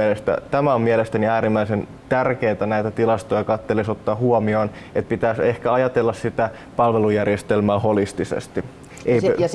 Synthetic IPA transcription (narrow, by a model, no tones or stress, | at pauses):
lest̪æ̰t̪æmæommielest̪æniæːɾimːæisen | t̪ærkeːt̪ænæit̪æt̪ilɑst̪ojɑkɑt̪ːelesot̪ːɑːhuomioːn | et̪̚pit̪æːsehkæɑjɑt̪elːɑssit̪æ | pɑlʋelujærjest̪elmæːho̞list̪isḛst̪i | ʔej